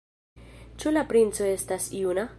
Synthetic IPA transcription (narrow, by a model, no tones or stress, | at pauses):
t͡ʃulapɾint͡so̞e̞stasiuna